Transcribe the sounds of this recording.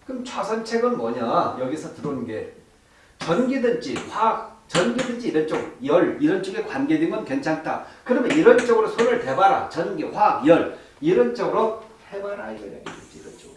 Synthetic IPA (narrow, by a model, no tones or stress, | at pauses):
kɯmt͡ɕʰwasʰʌnt͡ɕʰe̞ɡɯnmwʌɲajʌɡiesʰʌtɯɾonɯnɡe̞ | t͡ɕʌnɡidɯnd͡ʑiɸat͡ɕʌnɡidɯnd͡ʑiːɾʌnt͡ɕ͈ʌɡjʌɭiɾʌnt͡ɕ͈ʰʌɡekwanɡediŋmɡʌnkwent͡ɕʰaŋtʰa̰kɯɾʌmjʌniɾʌnt͡ɕ͈ʌɡɯɾosʰonɯɭte̞baɾa̰t͡ɕʌnɡiɸwajʌɭ | iɾʌnt͡ɕ͈ʌɡɯɾo | hebaɾɯɾa̰id͡ʑʌɾja̰ɡedend͡ʑiiɾʌnt͡ɕ͈ʌɡɯ